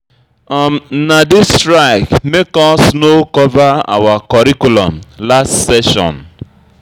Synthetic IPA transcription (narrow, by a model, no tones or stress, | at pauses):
ɔmnadɪstɾaɪkmekɔsnokɔvaa̰wakɔɾikulɔmlastsɛʃɔ̰̃n